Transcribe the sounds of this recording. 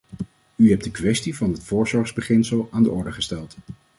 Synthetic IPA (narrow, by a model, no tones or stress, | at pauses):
yɦɛp̚dəkʋɛstivɑnɦətfʊːɹzɔɹχzbəχɪnsəlˠaːndəɔɹdəχəstɛlˠt